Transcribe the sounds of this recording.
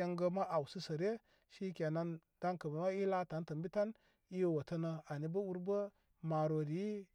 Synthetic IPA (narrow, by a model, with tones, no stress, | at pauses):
a˦ŋɡə˦ma˦ʔa˨wsi˦sə˨ɾe˦ | ʃi˦kʲa˨na˦n | d̥a˦ŋkə˨bə˨ma˦i˦la˦ta˨˦n˦tə˨mbi˦ta˦n | i˦jo˨wo˨tə˦nə˨a˨ni˦bə˦u˦ɾbə˦ | ma˨ɾo˨di˨˦